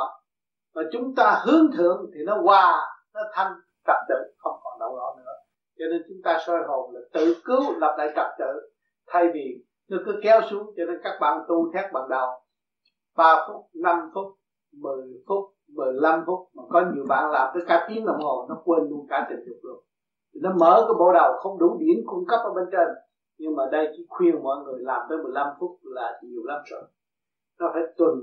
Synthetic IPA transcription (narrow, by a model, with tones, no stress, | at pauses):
vaː˨˩t͡ɕʊ˨˦ŋ͡mt̪aː˧hɨ˨˦əŋt̪ʰɨ̰˧˨əŋt̪ʰi˨˩nɔ˨˦ɣwaː˧˩nɔ˨˦t̪ʰa˧ŋ | t̪ə˨˩p̚t̪ɨ̰˧˨xə˧wŋ͡mkɔ˨˩nɗə˧wzɔ̰˧˥nɨ̰˧˥ə | t͡ɕɔ˧ne˧nt͡ɕʊ˨˦ŋ͡mt̪aː˧sɔː˧jɣo˨˩jlaː˨˩t̪ɨ̰˧˨kɨ˨˦wla˨˩p̚la̰ː˧˨jt̪ə˨˩p̚t̪ɨ̰˧˨ | t̪ʰa˧jvi˨˩ | nɔ˨˦kɨ˨˦əkɛ˨˦wsu˨˦əŋt͡ɕɔ˧ne˧nkaː˦˥k̚ɓa̰ː˧˨nt̪u˧t̪ʰɛ˦˥t̚ɓa̰ː˧˨nɗə˨˩w | ɓaː˧fʊ˦˥k͡p̚na˧mfʊ˦˥k͡p̚ | mɨ˨˩əjfʊ˦˥k͡p̚ | mɨ˨˩əjla˧mfʊ˦˥k͡p̚maː˨˩kɔ˨˦ɲi˨˩əwɓa̰ː˧˨nlaː˨˩mt̪əː˨˦jkaː˧˨˦t̪i˨˦ənɗə˨˩wŋ͡mho˨˩nɔ˨˦kwe˧nlu˧ənkaː˧˩t̪ḭ˧˨˩ŋ̟ɗɨ˨˩ək̚lu˧˩ən | t̪ʰi˨˩nɔ˨˦məː˧˦kə˨˧˦ɓo̰˧˨˦ɗə˨˩wxə˧wŋ͡mɗu˧˦ɗi˨˧˩ənkʊ˧ŋ͡mkə˦˥p̚ʔəː˧˦ɓe˧nt͡ɕə˧˩n | ɲɨ˧ŋmaː˨˩ɗə˧jt͡ɕi˧˥˦xwi˧ənmɔ̰˧˨jŋɨ˨˩əjlaː˨˩mt̪əː˨˦jmɨ˨˩jla˧mfʊ˦˥k͡p̚laː˨˩ɲi˨˩əwla˧mt̪ə̰˧˨n | nɔ˨˦faː˧˦jt̪wə˨˩n